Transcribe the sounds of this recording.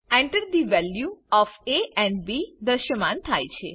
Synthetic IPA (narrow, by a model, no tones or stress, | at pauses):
ɛ̃ɳʈəɾd̪iʋɛljuɔfeʔɛ̃ɳɖbid̪əɾʃəmant̪ʰajt͡ʃʰe